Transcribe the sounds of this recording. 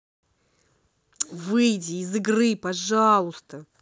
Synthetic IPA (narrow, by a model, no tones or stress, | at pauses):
vɨjdʲɪːzɨɡrɨpɐʐalˠʊst̪ə